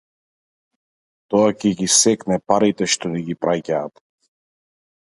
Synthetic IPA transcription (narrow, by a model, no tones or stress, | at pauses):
t̪ɔacɛɡisɛknɛpaɾit̪ɛʃt̪ɔniɡipɾʔacaːt̪